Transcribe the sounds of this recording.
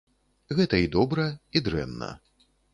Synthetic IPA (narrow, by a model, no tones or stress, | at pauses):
ɣɛt̪ɐid̪ɔbɾɐid̪ɾɛ̰nːɐ̰